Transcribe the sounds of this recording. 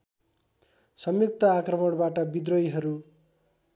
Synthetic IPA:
sʌmjuk̚t̪ʌakrʌmʌɽbaʈʌbid̪rʌjɦʌɾu

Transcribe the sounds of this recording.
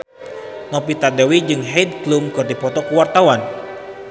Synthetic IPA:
nɔpit̪adewid͡ʒɨŋɦɛid̪̚klumkɨrdipɔt̪ɔkuwart̪awan

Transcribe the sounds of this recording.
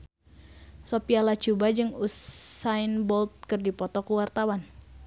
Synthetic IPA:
sopialat͡ʃubad͡ʒɨŋusainbɔlt̪̚kɨrdipɔt̪ɔkuwart̪awan

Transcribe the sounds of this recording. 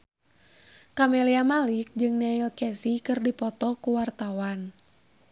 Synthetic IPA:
kamɛliamalik̚d͡ʒɨŋnailkɛsikɨrdipɔt̪ɔkuwart̪awan

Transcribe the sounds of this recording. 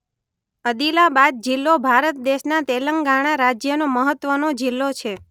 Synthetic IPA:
əd̪ilabad̪̚d͡ʒɪlːobʱaɾət̪̚d̪eʃnat̪eləŋɡaɽ̃aɾad͡ʒjənoməɦət̪ʋənod͡ʒɪlːot͡ʃʰe

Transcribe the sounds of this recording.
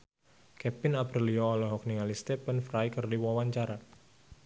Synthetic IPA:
kɛpɪnapɾiliɔːlɔɦɔk̚niŋalist̪ɛpənfɾajkɨrdiwawaɲt͡ʃaɾa

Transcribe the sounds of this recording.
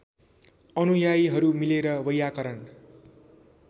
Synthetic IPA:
ʌnujajɦʌɾumileɾʌwʌjakʌɾʌn

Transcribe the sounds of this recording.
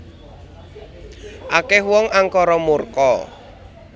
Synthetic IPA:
ʔakɛhwɔŋaŋkɔɾɔmurkɔ̰

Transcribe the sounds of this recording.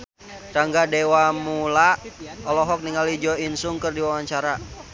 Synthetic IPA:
raŋɡadewamulaɔlɔɦɔk̚niŋalid͡ʒɔinsuŋkɨrdiwawaɲt͡ʃaɾa

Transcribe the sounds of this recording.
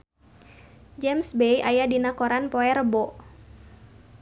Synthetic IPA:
d͡ʒɛmsbejajadinakɔɾanpɔɛɾəbɔ

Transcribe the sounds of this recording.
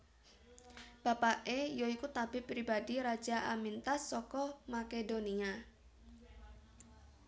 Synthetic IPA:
b̥apaʔejoikut̪ab̥ɪ̤pɾibadiɾḁd͡ʒaʔamint̪asːɔkɔmakedonia

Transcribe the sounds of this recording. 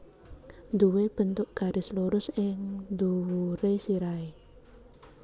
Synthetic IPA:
nd̪uweb̥ə̤nt̪ʊʔɡ̥a̤ɾesluɾʊsɪŋnd̪uwɾesiɾae

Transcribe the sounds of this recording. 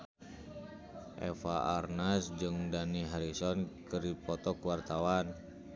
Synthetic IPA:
ʔɛ̰faarnasd͡ʒɨŋdaniɦaɾisɔnkɨripɔt̪ɔkwart̪awan

